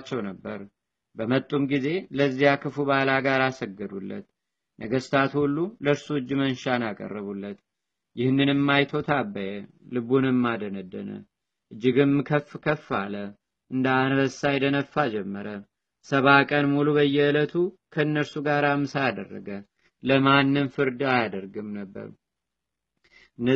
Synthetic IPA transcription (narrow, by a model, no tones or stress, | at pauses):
t͡ʃːɛwnəbːəɾ | bəmət̪ʼumɡize̞ləzːijakʰɨfubalaɡaɾasəɡːɨd̪ulːə̰t̪ | nəɡəst̪ʰat̪hulːuləɾsuɨd͡ʒːɨmənʃanakʼə̰rːəβulːət̪ | jɪhnːɨnɨmːajt̪ʰo̞t̪ʰabːəjə | lɨβunɨmːad̪ənəd̪ːə̰nə̰ | ʔɨd͡ʒːɪɡɨnmɨkʰəfːkʰəfːalə | ʔɨnd̪anbəsajd̪ənəfːad͡ʒɛmːəɾə | səβakʼənmuluβəjɛlət̪ʰu | kʰəɨnːəɾsuɡaɾamːɨsajad̪ə̰rːə̰ɡə | ləmanːɨmfɨɾd̪ɨajad̪əɾɡɨmnəbːə̰ɾ | ʔɨnː